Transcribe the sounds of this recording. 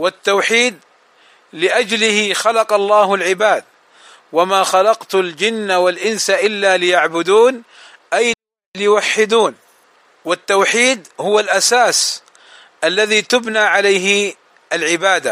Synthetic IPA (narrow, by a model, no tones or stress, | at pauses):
wɪt̪ːawħiːd̪̚ | lɪʔad͡ʒlɪhɪxɑlɑqɑlˤːɑːhʊlʕɪbaːd̪̚ | wamaːxɑlɑqt̪ʊld͡ʒɪnːawalʔɪnsaʔɪlːaːlɪjaʕbʊd̪uːn | ʔaj | lɪjʊwaħːɪd̪uːn | wɪt̪ːawħiːd̪hʊwalʔasaːs | ʔalːaðiːt̪ʊbnaːʕalajɦɪ | ʔalʕɪbaːd̪a